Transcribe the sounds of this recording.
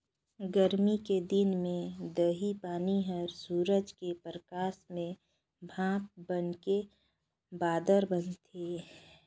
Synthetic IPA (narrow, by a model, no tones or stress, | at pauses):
ɡəɾmiked̪ɪnmẽd̪əɦipaːniɦəɾsuːɾəd͡ʒkepɾəkaːsmẽ | bʱãːp̚bənke | baːd̪əɾbənt̪ʰeː